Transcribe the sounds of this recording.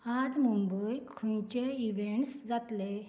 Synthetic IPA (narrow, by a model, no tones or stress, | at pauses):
ad͡zmumbəjkʰunt͡ɕeiʋeɳʈsd͡zat̪le